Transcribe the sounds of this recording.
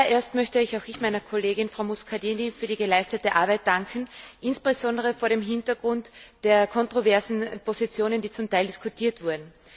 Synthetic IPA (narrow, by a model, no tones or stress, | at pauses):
ɐʔeːɐstmœçtəɪçaʊxɪçmaɪnɐkʰoleːɡɪnfʁ̥aʊmuskʰadiːnifyːɐɾiːɡəlaɪstətəʔaɐbaɪt̚d̥aŋkʰn̩ʔɪnsb̥ezɔ̃ndəʁəfoːɐɾeːmɦɪntɐɡʁʊntd̥eːɐkʰɔntʁ̥ovɛɐzn̩pozit͡sjoːnəndiːt͡sʊmtaɪldiskʰʊtʰiːɐtv̥ʊɐdn̩